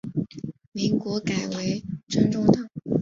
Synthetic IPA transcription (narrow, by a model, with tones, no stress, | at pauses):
mi˧˥ŋkwɔ˧˥ka˨˩ɪwe˧˥ɪʈ͡ʂʰə˥nʈ͡ʂʊ˥ŋt̪a˥˩ŋ